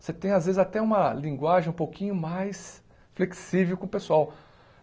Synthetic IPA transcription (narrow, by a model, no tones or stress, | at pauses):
set̪ẽj̃azvezɪzat̪ɛũmɐlĩŋɡwaʒẽj̃ũpowkʰĩɲʊmajs | fleksivewkõʊpesuaw